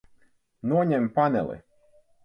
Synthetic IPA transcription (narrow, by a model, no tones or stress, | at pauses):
nuɔɲɛmpanɛ̰lˠḭ